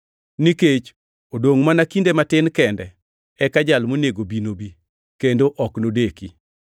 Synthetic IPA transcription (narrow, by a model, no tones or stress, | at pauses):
niket͡ʃ | odoŋmanakindematɪnkɛndɛ | ɛkad͡ʒalmoneɡobinobi | kendoʔɔknodeki